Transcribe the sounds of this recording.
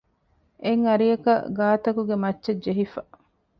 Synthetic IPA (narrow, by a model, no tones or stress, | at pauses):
eŋɐɾiɐkɐ̰ɡaːt̪ɐkuɡemɐtːʃed͡ʒeɦifɐ